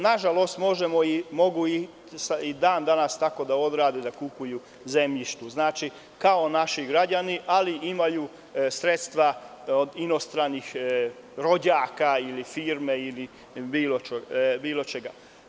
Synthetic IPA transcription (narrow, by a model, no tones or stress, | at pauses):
naʒalo̞st̪mo̞ʒe̞mo̞imo̞ɡui | said̪aːnd̪anast̪ako̞d̪ao̞d̪ɾaːd̪ed̪akupuju | ze̞mʎiʃt̪uznaːt͡ʃi | kao̞naʃiɡɾad͡ʑaniʔaliʔimaju | sɾet̪st̪ʋa | od̪ino̞st̪ɾanix | ɾo̞d͡ʑaːkailifiɾme̞ili | biːlot͡ʃebiːlˠo̞t͡ʃeɡa